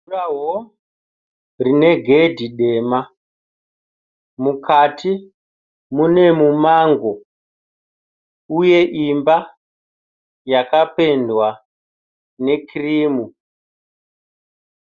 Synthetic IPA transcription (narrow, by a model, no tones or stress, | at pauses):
raɦo | rine̞ɡʱe̞dʱiɗe̞ːma | mukatʰi | mune̞mumaŋɡo̞ | uje̞ʔimba | jakape̞ndwa | ne̞kiriːmu